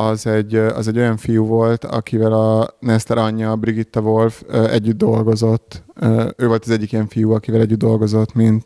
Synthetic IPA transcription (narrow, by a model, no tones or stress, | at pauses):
ɒzɛɟːɒ̰zɛɟːo̞jɒɱfijuvo̞lt̪ɒ̰kivɛlɒnɛst̪ɛɾɒɲːɒbɾiɡit̪ːɒvo̞lføɛɟːyd̪̚d̪o̞lɡo̞zo̞t̪ːøːvo̞lt̪ɒzɛɟːikiɛɱfijuɒkivɛlɛɟːyd̪d̪o̞lɡo̞zo̞t̪mint̪